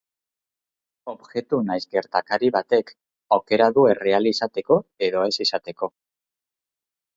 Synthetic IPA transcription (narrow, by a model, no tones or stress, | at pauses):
o̞βʝe̞t̪unajzɡe̞ɾt̪akaɾiβat̪e̞k | awke̞ɾaðue̞re̞alisat̪e̞ko̞e̞ðo̞e̞sisat̪e̞ko̞